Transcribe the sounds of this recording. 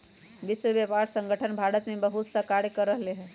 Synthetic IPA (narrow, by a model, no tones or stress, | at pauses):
ʋɪsʋəʋjəpaɾsə̃ŋɡəʈʰənbʱaɽət̪mẽbəɦut̪səkaɽjkəɾəɦleɦɛ